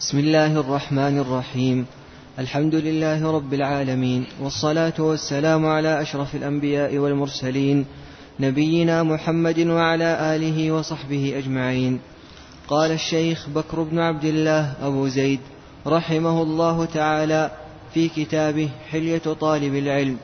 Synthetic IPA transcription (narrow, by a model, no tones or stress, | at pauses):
bɪsmɪlːaːhʔɑrˤːɑħmaːnɑrˤːɑħiːm | ʔalħamd̪ʊlɪlːaːhɪɾˤɑbːɪlʕaːlamiːnwɑsˤːɑlaːt̪ʊwasːalaːmʊʕalaːʔaʃɾˤɑfalʔambɪjaːʔɪwalmʊɾˤsaliːn | nabɪjːɪnaːmʊħamːad̪waʕalaːʔaːlɪɦɪwɑsˤɑħbɪhɪʔad͡ʒmaʕiːn | qɑːlaʃːajxbakɾʊbnʊʕab̚d̪ɪlːaːhʔabuːzajd̪ | ɾˤɑħɪmahʊlˤːɑːɦʊt̪aʕaːlaː | fiːkɪt̪aːbɪhħɪljat̪ˤɑːlɪbɪlʕɪlm